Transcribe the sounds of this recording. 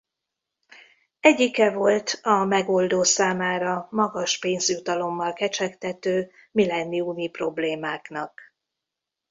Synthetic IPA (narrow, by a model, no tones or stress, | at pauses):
ɛɟːikɛvo̞lt̪ɒmɛɡo̞ld̪oːsaːmaːɾɒmɒɡɒʃpeːnzjut̪ɒlo̞mːɒlkɛt͡ʃɛkt̪ɛt̪øː | milɛnːiumipro̞bleːmaːknɒk